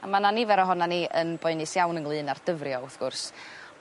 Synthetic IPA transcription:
amananivɛɾɔɦɔnaniənbɔɨnɨsjawnənlˠɨːnard̥əvrjɔʊθɡ̥ʊrs

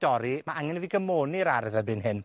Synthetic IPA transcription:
d̥ɔɾimaaŋɛnviɡəmoːniɾaɾðəbɨnɦɪn

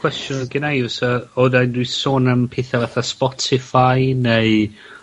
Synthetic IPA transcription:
kʰw̥ɛstjʊnɡ̥ɪnajəsaodajndwisoːnəmpʰeθavaθaspɔtʰɪfajnej

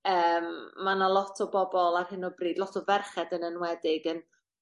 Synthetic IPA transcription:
əːmːanalˠɔtʰɔbɔbɔlˠarhɪnɔbriːdlˠɔtʰɔvɛrχɛdənənwɛdɪɡən

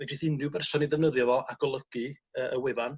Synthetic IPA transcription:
vɛdiθindɨwbɛrsɔniðɛvnəðjɔvɔaɡɔlˠəɡ̥ɨ | əːʔəwɪvan

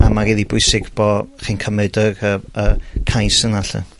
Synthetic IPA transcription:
amaɡiːðibʊɨsɪɡ̥b̥ɔχinkʰəmɛdərəəkʰajsənaɬɨ̰

